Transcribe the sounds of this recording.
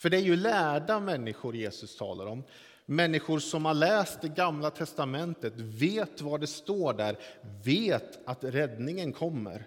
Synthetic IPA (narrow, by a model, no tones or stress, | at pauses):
fœɖɛæɾjɵlæːɖamɛnːɪɧʊɾjeːsɵst̪ʰɑ̰ːla̰ɾɔmː | ɛnːɪɧʊɾsɔmhaɭɛːst̪̚d̪ɛɡamlat̪ʰɛst̪amɛnt̪ət̪veːt̪vaɖɛst̪oːɖæɾveːt̪at̪ɾɛd̪nɪŋənkʰɔmːə̰ɾ